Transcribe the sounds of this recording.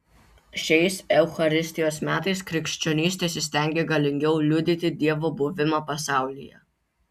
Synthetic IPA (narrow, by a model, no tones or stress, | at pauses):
ʃʲɛɪsɛʊxɐɾʲɪsʲt̪ʲɪjoːsmʲæːt̪ɐɪskɾʲɪkʃʲt͡ʃʲɔnʲiːsʲt̪ʲeːsʲsʲt̪ʲɛˑŋʲɡʲeɡɐlʲɪŋʲɡʲɛʊlʲʊd̪ʲɪt̪ʲɪd̪ʲiɛʋoːbʊʋʲɪmɐpɐsɑˑʊlʲɪ̰jɛ̰